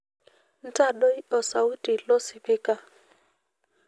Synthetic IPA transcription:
n̩˦ta˦˨ɗo˦jɔ˨sa˨u˦ti˨lɔ˦si˨pi˦ka˦

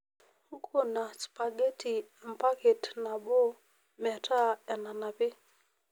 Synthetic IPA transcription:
hu˦kʰo˦˨na˨spa˨ɡe˦ti˨m̩˨pa˦ke˨tna˨ɓo˦ | mɛ˨tʰa˦a˨na˨na˨pɪ˦

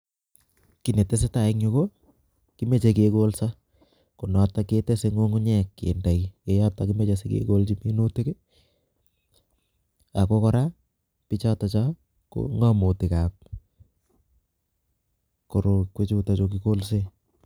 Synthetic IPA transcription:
ki˨ne˨te˦s̬e˦ta˨ɪ˦kɲo˦ko | ki˦me˦˨t͡ʃe˨keko˦lsa˦ | ko˨nɔ˨take˦te˦se˦ŋo˦ŋu˦ɲɛkːḛ˨nda˨ki˦e˨ja˦p̚ta˨kime˦t͡ʃe˨sekḛko˦lt͡ʃi˦mi˦no˦te˦ke˦ | a˨ko˦kɔ˦ɾa˦ | pi˦t͡ʃa˦ta˨t͡ʃa˦ | ko̰ŋɔ˦mo˨tɪ˨ka˨k̚ | ko˨ɾo˨kwe˦t͡ʃu˦ta˨t͡ʃokiko˦lse˦

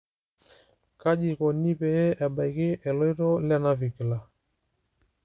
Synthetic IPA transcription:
ka˦d͡ʒi˨kɔ˨ni˦pɛ˨jɛ˦ʔɛ˨ɓa˨jkɪ˦ʔɛ˨lɔ˦i˦ɾɔ˦la˦na˦vi˨ki˨la˨

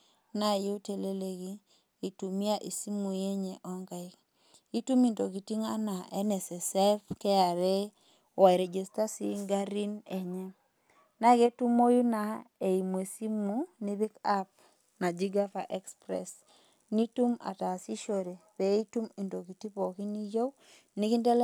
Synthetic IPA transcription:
na˦˨ju˦te˨le˦le˦ɡiː˦˨ | tu˨m˦a˦ʔi˨si˦mu˨je˦ɲe˨ʔɔ˦ŋɡa˨ɪ˦k | i˦tu˦mi˨nto˨ki˨ti˦ŋa˦na˨ʔɛ˦nɛ˨sɛ˨sɛ˦fkɛ˦a˨ɾe˦ | wa˨i˨ɾe˨d͡ʒe˨sta˦si˦ŋɡa˦ɾi˦ne˨ɲɛ˦ | na˦ɡe˦tu˦mo˦ju˦na˨e˨i˨mo˨e˨si˦mu˨ni˦bi˦ka˦p̚ | na˨d͡ʒi˦ɡa˦fa˨ʔɛ˦kspɾɛ̰˨s | ni˦tu˦ma̰˨ta˨si˦ʃo˨ɾe˨pe˨˦i˦tu˦mi˨nto˨ki˨ti˦pɔ˨ki˦ni˦jo˦w | ni˦ki˦ndɛ˦l

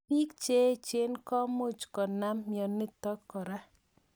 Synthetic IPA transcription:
pi˦kt͡ʃe˦t͡ʃe˦nkɔ˦mo˦˨t͡ʃkɔ˨na˦mːjɔ˨nɪ˦t̪ɔ˦kːɔ˨ɾa˦

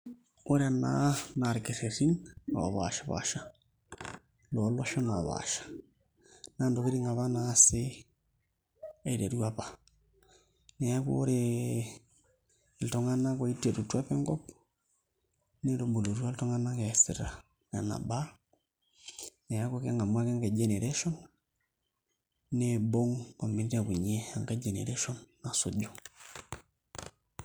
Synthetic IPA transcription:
o˦ɾa˨na̰na˨ɾke˨ɾe˨ɾi˦no̰˨a̰˨βa̰˨ʃḁ˨βa̰˨ʃa˦ | lo˨lɔ˦ʃɔ˦na˨βa̰ʃḁ˨ | na˦ndo˨ki˦ɾi˦ŋɡa˨βa˦na˦sɪ˦ | e˨i˨ɾe˨ɾu˦a˦pa | nɛ˨a˦ko̰˦ɾe˨ | ltɔ˨ŋa˦na˦ko˨i˦tːe˨tutːu˦a˦pɛ˦ŋɡɔ˦p | ne˦lo˨bo˨lo˨ɾu˦a˦lto˦ŋa˦na˦ke˨sḭ˨ɾa̰˨ | ka̰˨na̰˨ba˦ | ne˨ja˦ku˦ke˦ŋɡa˨mwa˦ke˦ŋke˨d͡ʒe˨ne˨ɾe˦ʃo˦n | e˦bo˦ŋko˨mbi˦nte˦˨ku˨ɲe˦a˦ŋke˦d͡ʒe˨nḛ˨ɾe˦ʃo˦nːa˨so̰˦ɟo˨

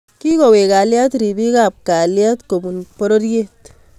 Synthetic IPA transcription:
ki˦kɔ˨we˨ka˨ljat̪ɾi˨bi˦ka˨p̚ka˨ljat̪komunpɔɾɔɾje˦t̪

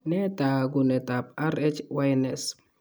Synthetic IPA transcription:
nɛ˦ta˨ɡʊ˨nɛ˨ta˨p̚a˦ɾɛ˦t͡ʃwa˦jnɛ˨s

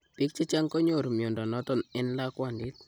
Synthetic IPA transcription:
pi˦k̚t͡ʃi˦t͡ʃa˦ŋkɔ˦ɲo˦˨ɾmjo˨ndɔ˨nɔ˦tɔ˦˨nɪ˦n˦la˦kwa˨ndi˦t̚

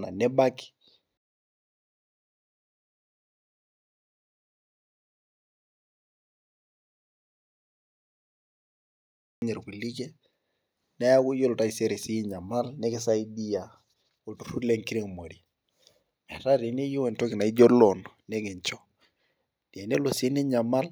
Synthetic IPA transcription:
na̰˨nɛ˦ba˦ki̥ | ɲɛ˨ɾki˨li˦kɛ˦ | nɛ˦ja˦ɡu˦jo˦lta˦i˨se˦ɾe˨si˦ɲa˨ma˦lne˦ki˦sa˦i˦di˦ja˨ | o˨tu˨ɾu˦le˦ŋki˦ɾe˦ŋ˨mo˨ɾi˨ | mɛ˨ta˦ɾi˨ne˦jo˦wɛ˨nto˦kɪ˨na˨i˦d͡ʒo˦lɔ˨nne˦ke˨ɲt͡ʃɔ˨ | d̥a˨ne˦lo˨si˦ne˦ɲa˨ma˦l

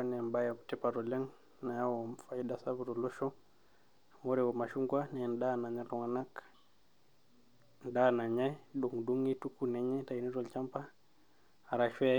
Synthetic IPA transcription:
anɛ˨a˨mbajakutɛ˦paɾɔlɛ˦ŋ | na˨ja˦wɔmfa˨idasa˦βuɾɔ˨lɔ˦ʃɔ˦ | mɔ˦ɾɛwɔ˨ma˨ʃu˦ŋɡwanɛnɗana˨ɲa˦lɔ˨ŋa˨na˦k | n˨ɗana˨ɲa˦ɗɔ˨ŋdu˦ŋi˦tu˦kunɛ˦ɲɛ˦ta˨inɛ˦ɾɔlt͡ʃa˦mpaː˦˨ | ɾa˨ʃɛ

